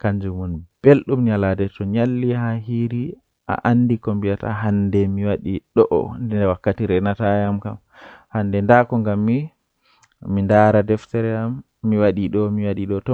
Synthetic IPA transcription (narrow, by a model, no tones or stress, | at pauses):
kaɲd͡ʒumunb̥elɗumɲaladɛtɔɲalːihaɦiɾi | ʔa̰ʔanːdikombijata̰ɦandɛmiwaɗiɗɔʔɔ̰ndɛdɛwakːatiɾɛnatajamkam | hanːdɛndakɔŋɡamːi | mindaːɾadɛftɛɾɛamː | iwaɗiɗɔmiwaɗiɗɔtɔ